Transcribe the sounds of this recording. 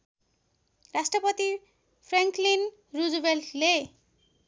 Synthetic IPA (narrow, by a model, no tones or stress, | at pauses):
rasʈrʌpʌt̪i | pʰraŋklin | rud͡zubeltʰle